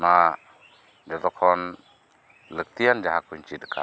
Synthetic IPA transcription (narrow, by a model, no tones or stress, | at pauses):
na | d͡ʒɔt̪ɔkʰːɔn | lək̚t̪ijand͡ʒaɦakuɲt͡ʃit̪kʰa̰